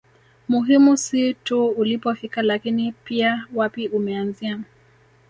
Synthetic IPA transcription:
muɦimusituulipɔfikalakinipiawapiumɛanzia

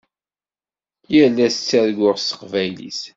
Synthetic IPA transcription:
jælːæst͡sːæɾɡʷʊʁsə̥qvæjlḭs

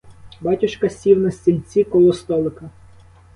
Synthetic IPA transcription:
bɑtʲʊʃkɐsʲiwnɐsʲtʲilʲt͡sʲikɔlˠɔst̪ɔlˠɪkɐ

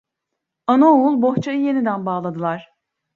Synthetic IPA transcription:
anaoulˠbo̞ht͡ʃʰajɯje̞nid̪ænbaːlˠad̪ɯlˠaɾ̥

